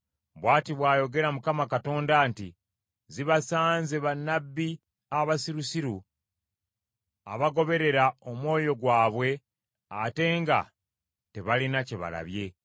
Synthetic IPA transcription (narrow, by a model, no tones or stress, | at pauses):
βwaːtiβwaːjo̞ɡe̞ɾamukamakato̞ːndaːnti | ziβasaːnze̞βanːabːi | aβasiɾusiɾu | a̰βaɡo̞βe̞ɾe̞ɾaomwo̞ːjo̞ɡwaːβwe̞ | ate̞ːŋɡa̰ | te̞βalinaceβa̰la̰βje̞